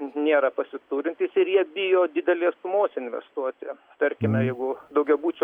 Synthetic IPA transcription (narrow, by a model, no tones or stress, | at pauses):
nʲeːɾɐpɐsʲɪt̪uːɾʲɪnʲt̪ʲiːsɪɾjiɛbʲɪjoːd̪ʲɪd̪ʲɛlʲeːst̪ʊmoːsɪnʲʋʲɛ̰st̪uɔt͡s̪ʲɪɛ | t̪ɐɾʲkʲɪmʲɛjɛɪɡʊd̪ɐʊɡʲɛbuːt͡ʃʲʊ